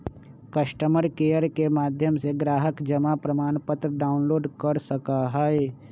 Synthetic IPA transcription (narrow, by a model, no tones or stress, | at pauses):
kɐʃʈəməɾkeːjəɾkemaːd̪ʱjəmseɡɾaːɦəkd͡ʒɐmapɾəmaːnpət̪ɾəɖaːʊnloːɖkəɾsəkaɦɛe